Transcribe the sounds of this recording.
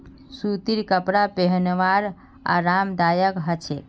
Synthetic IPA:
sut̪iɾkəpɾapeɦənʋaɾ | a̰ɾamd̪ajəkɦət͡ʃʰe

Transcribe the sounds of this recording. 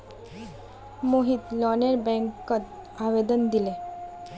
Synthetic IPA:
moɦiːt̪lɔneɾbɛ̃ŋkːət̪ | aʋed̪ənd̪ile

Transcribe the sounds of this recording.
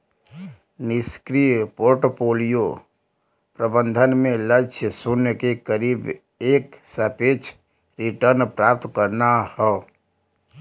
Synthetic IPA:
nɪskɾipoɾʈopoːlijo | pɾəbə̃nd̪ʱənmẽlət͡ʃʰjəsunəkekəɾiːb | eːksəpeːt͡ʃʰ | ɾiʈəɾnpɾaːp̚t̪kəɾnahɛː

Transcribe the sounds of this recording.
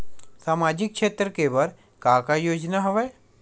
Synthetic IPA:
saːmaːd͡ʒɪkʃeːt̪ɾəkebɐɾ | kaːkajoːd͡ʒnaɦɐʋeː

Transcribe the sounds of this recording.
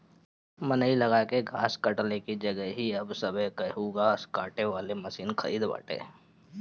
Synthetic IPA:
mənəilɐɡakeɡʱaːskɐʈlekid͡ʒɐɡəɦiɐbsɐbʱəkɐɦuɡaːskaːʈeʋaːlemɐsiːnkʰɐ̰ɾiːd̪ba̰ːʈḛː

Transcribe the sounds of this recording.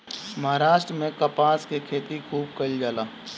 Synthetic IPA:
mɐɦaːɾaːʃʈɾəmẽkɐpaːskekʰeːt̪ikʰuːb̚kɐld͡ʒaːlaː

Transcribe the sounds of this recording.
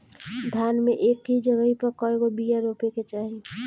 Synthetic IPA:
d̪ʱjaːnmeʔeːkɦid͡ʒəɡəɦipəɾkɔeɡobijaɾoːpeket͡ʃaːɾi

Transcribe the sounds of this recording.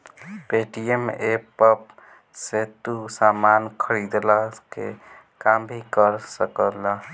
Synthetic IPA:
peʈiemepəp | set̪usamankʰəɾid̪lakḛ | kambʱikəɾsəkələ

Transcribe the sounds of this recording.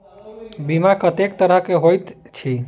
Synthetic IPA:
bimakət̪ek̚t̪əɾəkeɦojt̪t͡ʃʰi

